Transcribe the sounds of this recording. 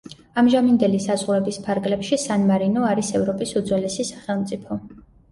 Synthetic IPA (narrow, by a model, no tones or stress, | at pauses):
amʒamind̪ɛlisazʁuɾɛbispʰaɾɡlɛpʃisanmaɾinɔaɾisɛvɾɔpʼisud̪zwɛlɛsisḁχɛlˠmt̪sʼipʰɔ